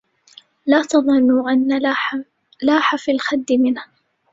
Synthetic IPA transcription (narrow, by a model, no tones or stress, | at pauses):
laːt̪ɑðˤɑnːʊʔanːa | laːħafilxad̪ːɪmɪnha